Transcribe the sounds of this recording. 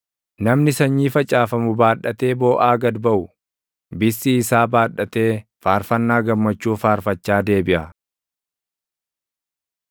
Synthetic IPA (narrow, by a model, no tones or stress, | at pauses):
nɐmnɪsɐɲːiːfɐt͡ʃʼaːfɐmʊbaːᶑɐt̪e̞ːbo̞ːʔaːɡɐd̪bɐʔʊ | bɪsːɪːsaːbaːᶑɐt̪e̞ːfaːɾfɐnːaːɡɐmːɐt͡ʃːuːfaːɾfɐt͡ʃːaːd̪e̞ːbɪʔɐ